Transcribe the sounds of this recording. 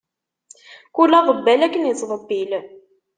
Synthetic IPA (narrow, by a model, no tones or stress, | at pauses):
kulːɑðˤəbːælækːənəsˤðˤəbːil